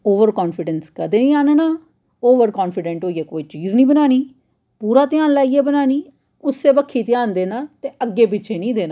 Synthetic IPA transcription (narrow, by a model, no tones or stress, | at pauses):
oːʋəɾkɔːnfɪɖənskəd̪eːnĩːaːnːnaː | oːʋəɾkɔːnfɪɖɛ̃ɳʈɦoːieːkoːiːt͡ʃiːznĩːbənaːniː | puːɾaːt̪ɪãːnlaːieːbənaːniː | ʊsːeːbəkʰːiːt̪ɪãːnd̪eːnaːt̪eːəɡːeːpɪtːʃʰeːnĩːd̪eːnaː